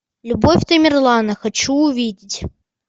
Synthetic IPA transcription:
lʲʊbofʲt̪əmʲɪrlˠanəxɐt͡ɕuʊvʲidʲɪtʲ

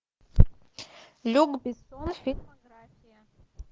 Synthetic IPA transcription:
lʲuɡbisɔnfʲitmɐɡrafʲijɐ

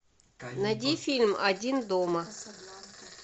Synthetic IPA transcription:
nɐdʲifʲilʲmɐdʲind̪omɐ

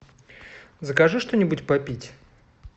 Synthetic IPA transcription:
zəkɐʐɨʂt̪onʲɪbʊtʲpɐpʲitʲ

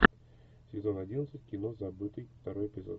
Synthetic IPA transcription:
sʲɪzo̞nɐdʲinət̪sɨtʲkʲɪno̞zɐbɨt̪ɨjft̪ɐɾo̞jɪpʲɪzo̞̰t̪

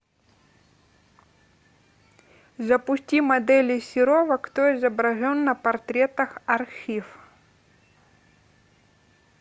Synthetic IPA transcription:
zɐpʊsʲtʲimɐd̪ɛlʲɪsʲɪɾɔvɐkt̪oɪzɐbɾɐʐɔnːɐpɐrt̪ɾʲɛt̪ɐxɐrxʲif

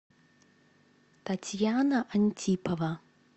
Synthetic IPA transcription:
t̪ɐtʲjanɐʔɐnʲtʲipɐvɐ

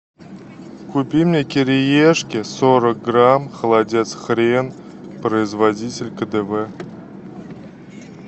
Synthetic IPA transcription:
kupʲimʲnʲekʲeɾʲejeʂkʲɪsoɾək̚ɡramχəlˠadʲesχɾʲen | prəɪzvadʲitʲɪlʲkəd̪evɛ

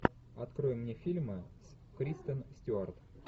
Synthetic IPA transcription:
ɐt̪kɾojɪmːnʲefʲilʲmɨs | kɾʲist̪ənsʲtʲʊart̪

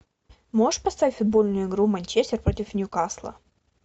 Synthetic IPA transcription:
moʐəʂpɐst̪avʲɪtʲfʊd̪̚bo̞lʲnʊjʊɪɡɾumɐnʲt͡ɕesʲɪrpɾo̞tʲɪfnʲukaslˠə̰

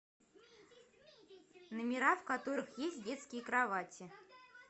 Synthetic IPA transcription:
nəmʲɪɾafkat̪o̞ɾɨxjesʲt̚ʲdʲe̞t̪skʲɪjəkɾavatʲɪ

